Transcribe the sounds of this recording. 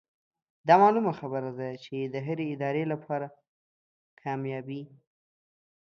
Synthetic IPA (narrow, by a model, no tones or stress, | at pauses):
d̪ɑmɑlumaxabəɾad̪at͡ʃed̪əɦəɾeɪd̪ɑɾelapʰɑɾa | kʰɑmjɑbi